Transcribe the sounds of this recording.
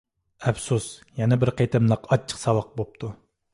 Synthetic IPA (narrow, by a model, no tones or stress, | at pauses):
ɛfsusjɛnɛbɪɾqʰejt̪ʰɪmlˠəqʰɑt͡ʃʰːə̥qsɑwɑq̚bop̚t̪ʰu